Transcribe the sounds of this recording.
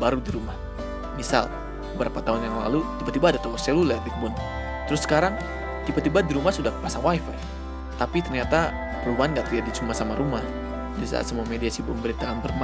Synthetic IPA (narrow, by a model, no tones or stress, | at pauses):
baɾudiɾumah | misa̰l | bəbəɾapat̪aɦʊnjaŋla̰lut̪ibat̪ibaːdat̪owasɛlulɛlik̚bʊn | t̪əɾʊsːə̥kaɾaŋ | t̪ibat̪ibadiɾumahsudahkə̥pasaŋwajfər | t̪apit̪ərɲat̪a | rubanɡaʔt̪idadit͡ʃumasamaɾumah | disa̰a̰səmuamediasibʊ̰nbəɾit̪aːnbərma